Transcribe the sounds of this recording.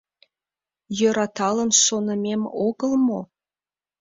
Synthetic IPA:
jøɾɑt̪ʰɑlˠənʃonə̆mʲemoɡə̆lˠmo

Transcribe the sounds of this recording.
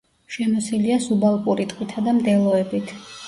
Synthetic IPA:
ʃɛmɔsiliasubalˠkʼuɾit̪ʼqʼwit̪ʰad̪amd̪ɛlˠɔɛbit̪ʰ

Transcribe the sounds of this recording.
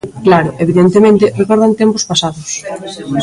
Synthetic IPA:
klaɾʊʔeβiðent̪emẽnt̪ɪrekɔɾðant̪empʊspasaðʊs

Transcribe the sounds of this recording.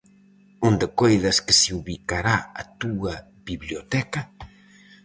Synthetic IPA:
und̪əkɔjðɐskəsiuβikaɾaa̰t̪uɐ | biβljot̪ɛka

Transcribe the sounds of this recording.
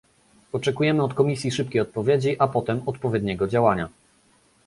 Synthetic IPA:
ɔt͡ʂɛkujɛmɘɔt̪kɔmʲisʲjiʂɘp̚kʲejɔt̪̚pɔvʲjed͡ʑiʔapɔt̪ɛmɔt̪pɔvʲjɛd̪ɲɛɡɔd͡ʑawaɲa

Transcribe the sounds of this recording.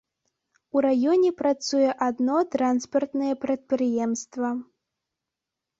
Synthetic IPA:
uɾajɔnʲɛpɾat̪sujɛʔad̪nɔt̪ɾanspɐrt̪nɐjɛpɾɐt̪̚pɾɨjɛmst̪vɐ

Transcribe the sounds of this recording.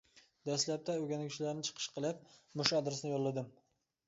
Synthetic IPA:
d̪aslap̚t̪ʰaɵɡʲanɪɡʲt͡ʃʰɪlaɾnɪt͡ʃʰɨ̥qʰɨ̥ʃqʰɨlˠɪp̚mʊʃad̪ɾɪsnɪjɒllːad̪ɪm

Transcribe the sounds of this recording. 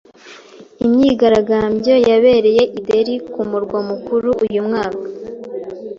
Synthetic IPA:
imɲiɡaɾaɡaːmbɟo̞jaβe̞ːɾe̞je̞ʔideɾikumuɾɡwamukuɾuʔujumŋaːkḁ

